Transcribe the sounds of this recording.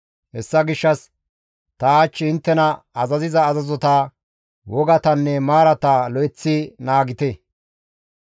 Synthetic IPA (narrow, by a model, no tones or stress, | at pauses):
hɛsːɐɡɪʃːɐs | t̪ɐaːt͡ʃːɪɪnt̪ːɛnɐɐzɐzɪzɐːzɐzɔt̪aː | wɔɡɐt̪ɐnːɛmaːɾɐt̪aːlɔjt͡sːɪnaːɡɪt̪e